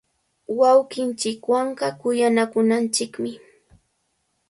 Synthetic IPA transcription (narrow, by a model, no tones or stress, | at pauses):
wawkɪnt͡ʃɪkwaɴɢɑkʊjanakʊnant͡ʃɪkmɪ